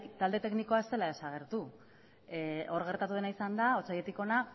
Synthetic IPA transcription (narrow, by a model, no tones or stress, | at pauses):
t̪ald̪e̞t̪e̞kniko̞ae̞st̪e̞lae̞saɣ̞e̞ɾt̪u | o̞ɾɣe̞ɾt̪at̪uð̞e̞naisand̪ao̞t͡saje̞t̪iko̞na